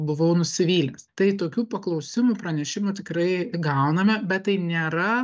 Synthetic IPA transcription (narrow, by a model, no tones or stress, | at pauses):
bʊʋɐʊnʊsʲɪʋʲiːlʲnʲɛst̪ɐɪt̪oːkʲuːpɐklˠɐʊsʲɪmupɾɐnʲɛʃʲɪmuːt̪ʲɪkɾɐɪɡɐʊnɐmʲɛbʲɛt̪t̪ːɐɪnʲeːɾɐ